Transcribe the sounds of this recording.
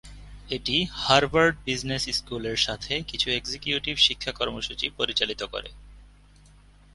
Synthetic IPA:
eʈihaɾbaɾɖ̚biznesskuleɾʃat̪ʰekit͡ɕʰueksekjuʈibʃikʰːakɔɾmoʃut͡ɕipoɾit͡ɕalit̪oko̰ɾḛ

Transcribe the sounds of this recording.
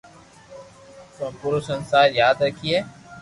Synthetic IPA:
sõpuɾosənsaːɾjaːd̪ɾəkʰiɛː

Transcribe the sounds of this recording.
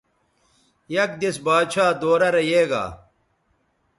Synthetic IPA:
jɐk̚d̪esbaːd̪ɕʰaːd̪oːɾɐɾɐjeːɡa̰ː

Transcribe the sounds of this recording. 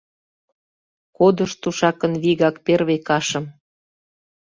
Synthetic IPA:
kod̪ə̆ʃt̪uʃɑkə̆nβiɣɑkperβekɑʃə̆m

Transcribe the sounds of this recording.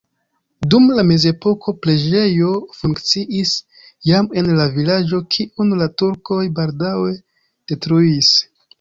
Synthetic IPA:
dumlame̞ze̞po̞kʰo̞pɾe̞d͡ʒe̞jo̞fuŋkt͡siʔis | jame̞nlavilad͡ʒo̞kʰiʔunlatuɾko̞jbaldawe̞ | d̥e̞tɾuis

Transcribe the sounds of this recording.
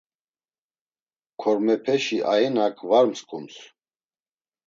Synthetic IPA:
kʰɔɾmɛpʰɛʃiʔaɛnakʰvaɾmskʼums

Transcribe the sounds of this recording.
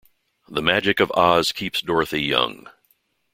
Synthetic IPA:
ðəmæd͡ʒɨkʌvɑz̥kʰipsd̥ɔɹθijʌ̰̃ŋ

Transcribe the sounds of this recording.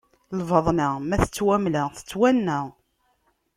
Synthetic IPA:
lvəðˤnəmæθət͡sːwæmləθə̥t͡sːwænːəʁ

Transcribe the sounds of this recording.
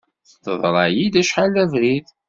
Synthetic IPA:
θə̥t̪ːə̰ðˤɾˤɑjid̪æʃħalævɾið

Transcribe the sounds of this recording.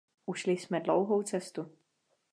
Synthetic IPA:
ʔuʃlɪsmɛdlo̰wɦowt̪t͡sɛst̪u

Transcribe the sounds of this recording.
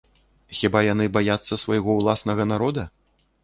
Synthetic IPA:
xʲibajanɨbajat̪sːɐsvɐjɣɔwlˠasnɐɣɐnaɾɔd̪ɐ

